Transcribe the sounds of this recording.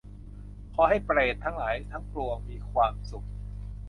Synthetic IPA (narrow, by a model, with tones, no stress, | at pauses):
kʰɔː˧˦ɦa˥˩jpɾeː˨˩t̪ʰːa˦˥ŋlaː˩˦jt̪ʰa˦˥ŋplu˧əŋmiː˧kʰwaː˧msu˨˩k̚